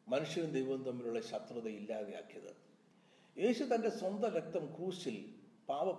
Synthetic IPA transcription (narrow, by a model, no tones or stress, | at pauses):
mɐnuʂjɐʋund̪ejʋɐnt̪ɐmːiluɭːɐɕɐt̪rɐðɐilːaːðeja̰ːkːijɐðɨ̰ | eːɕut̪ɐnde̞swɐnd̪ɐɾek̚t̪ɐmkuːɕilpaːʋɐ